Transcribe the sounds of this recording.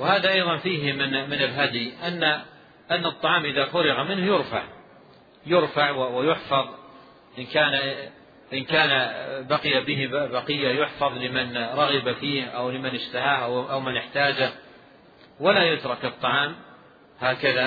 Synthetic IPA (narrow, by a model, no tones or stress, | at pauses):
wɪhaːðaʔɑjðˤɑnfiːɦmɪnmɪnɪlɦad̪iʔanːa | ʔanːɨt̪ˤːɑʕɑːmʔɪðafʊɾɪɣamɪnhjʊɾfa̰ʕ | jʊɾfaʕwwɪjʊħfɑðˤ | ʔɪnkaːn | ʔɪnkaːnabaqɪjabɪɦɪbɑqɪjːajʊħfɑðˤlɪmɪnɾˤɑɣɪbafiːhʔawlɪmɪnɪʃt̪aɦaːhʔaʔawmɪnɪħt̪aːd͡ʒa | walajʊt̪ɾˤɑkɨt̪ˤːɑʕɑːm | haːkaða